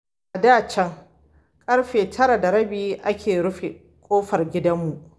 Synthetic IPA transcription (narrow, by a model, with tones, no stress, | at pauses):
ʔa˨daː˦˨t͡ʃɛ˦ŋ | kʼɐ˦ɽɸeː˨tʰɐ˦ɾa˨da˨ɾɐ˦biː˦ʔa˦kʲʰeː˨ɾʊ˦ɸe˨ | kʷʼoː˦ɸɐ˨rɡʲɪ˦dɐ˦mːu˨ʔ